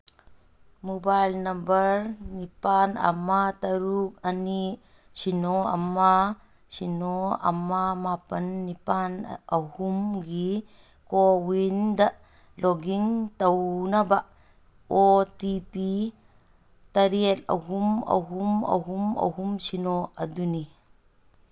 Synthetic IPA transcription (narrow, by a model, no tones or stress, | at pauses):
mobajlnɐmbɐɾnipanɐ̰mat̪ɐɾuk̚ani | sinoɐ̰mːa | sinoɐ̰mːamapɐnːipanɐhumɡi | kowind̪aʔ | lɔɡiŋt̪ɐwnabaʔ | ot̪ipi | t̪ɐɾiet̪̚ɐ̰ɦumɐ̰ɦumɐ̰ɦumɐ̰ɦumsinoʔɐduni